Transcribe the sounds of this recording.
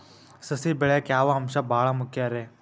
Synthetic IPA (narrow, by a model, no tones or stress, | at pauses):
səsiːbeɭjakjaːʋaɦɐmʃaːbʱaːɭamʊkʰjaɾeː